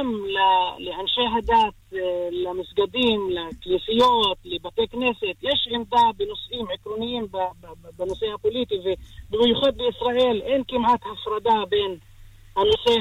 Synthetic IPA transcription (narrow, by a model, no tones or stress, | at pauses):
amlalɪʔanʃaːɦad̪aːt̪lamɪsɡad̪iːmlakliːsɪjoːt̪lɪbat̪eːkneːsɪt̪jeʃʕɪmd̪abɪnʊsʔiːmʕɪkɾunɪjːiːmbbɪnʊseʔapʊliːt̪ivɪbhjʊxad̪ːiʔɪsɾaʔiːlʔenkɪmʕat̪hafɾˤɑd̪aːbeːn | hanːʊseː